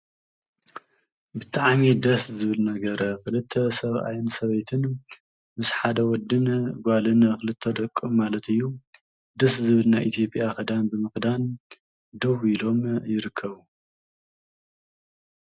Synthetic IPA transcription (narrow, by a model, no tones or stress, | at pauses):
bɨt̪ʼaʕmid̪ɐszɨβɨlnɐɡɐɾɐxɨlɨt̪ʰːɐsɐβʔa̰jnsɐβejt̪ʰɨn | mɨsħad̪ɐwɔd̪ɨnɡʷalɨnxɨlɨt̪ʰːɐd̪ɐkʼːɨmːalɐt̪ɨjːu | d̪ɐszɨβɨlnajʔit̪ʰjo̞pʼjakɐd̪anbɨmɨxd̪an | d̪ɐwilo̞mjɪɾɨkʰːɐβu